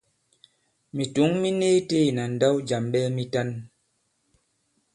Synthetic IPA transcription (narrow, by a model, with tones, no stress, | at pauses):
mi˨tu˨˦ŋmi˦ne˦te˦˨na˨n̩˨da˦wd͡ʒa˨mɓɛ˦mi˦ta˦n